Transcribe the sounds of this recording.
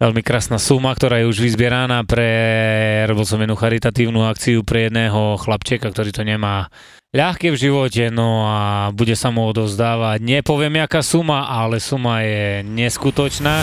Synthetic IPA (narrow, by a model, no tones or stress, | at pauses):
ʋɛʎmikɾaːsnaːsumak̚t̪ɔɾaːjɛuʒʋizbɪɛɾanaːpɾɛ | ɾɔbils̬ɔmɛnuːxaɾit̪at̪iːʊnuak̚t͡siupɾɛjɛd̪nɛːɦɔxlapt͡ʃɪɛkakt̪ɔɾiːt̪ɔɲɛmaː | ʎaxkɛvʒiʋɔcɛnɔabuɟɛsamuɔd̪ɔʊzd̪aːʋaɟɲɛpɔʋɪɛmɪakaːsumaʔalɛsumajɛɲɛskut̪ɔt͡ʃnaː